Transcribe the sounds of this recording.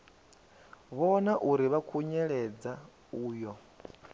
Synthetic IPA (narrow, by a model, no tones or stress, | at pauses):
βɔnaʔuɾiβakʰuɲɛɺɛd͡za | uːjɔ